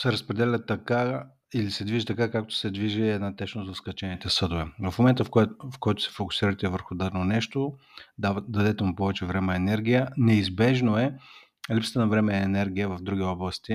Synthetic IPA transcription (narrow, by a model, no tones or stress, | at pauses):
sɛɾɐspɾɛd̪ɛlʲət̪ɐka | ilisɛd̪viʒit̪ɐkakak̚t̪o̥sɛd̪viʒɛːd̪nat̪ɛʃnozɐskɐt͡ʃɛnit̪ɛsɤd̪ʊvɛvɐfmomɛnt̪əffkɔjt̪ʊ̥sɛ̥fokʊ̥siɾət̪ɛvəɾxʊd̪ad̪ɛnonɛʃt̪o | d̪ɐd̪ɛt̪ɛmupɔvɛt͡ʃɛvɾɛmɛɛnɛɾɡʲijənɛizbɛʒnoɛ | lipsə̥t̪ənɐvɾɛmɛːnɛɾɡʲijəvɐvd̪ɾuɡʲiɔblˠəst̪i